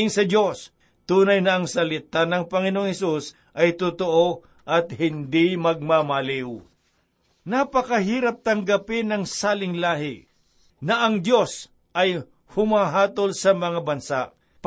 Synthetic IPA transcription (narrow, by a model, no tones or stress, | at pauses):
ɪŋsɐdo̞s | t̪uːnɐjnɐɐŋsɐlɪt̪anɐŋpɐŋɪnooŋhɛsus | ʔɐjt̪ʊt̪oʔo | ʔɐt̪̚hɪnd̪ɪmɐɡ̚mamalɪw | napɐkɐɦiːɾɐp̚t̪ɐŋɡɐpɪnɐŋsaːlɪŋlaːɦɪ | nɐʔɐŋd̪jo̞s | ʔɐj | hʊmaːɦaːt̪o̞lsɐmɐŋabɐnsaʔ | p